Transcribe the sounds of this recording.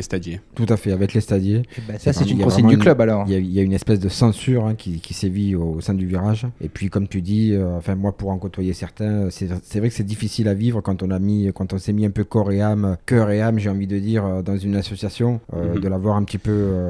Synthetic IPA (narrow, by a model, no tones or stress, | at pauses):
est̪ad̪jet̪ut̪afɛavɛklest̪ad̪jesasɛt̪ynijãvʁsɛimɑ̃d̪yklœbalɔʁiljailjaynɛspɛsd̪əsɑ̃syʁɛ̃kʰʲikʲiseviosɛ̃d̪yviʁaʒḛpɥikɔmt̪yd̪iøɑ̃fɛ̃mwapuʁɑ̃kot̪wajesɛʁt̪ɛ̃øsɛsɛvʁɛkə̥sɛd̪ifisilavivʁəkɑ̃t̪ɔ̃namikɑ̃t̪ɔ̃sɛmiɛ̃pøkɔʁeamøkœʁeamʒeɑ̃vid̪əd̪iʁød̪ɑ̃zynasɔsjasjɔ̃ød̪əlavwaʁɛ̃pət̪ipøø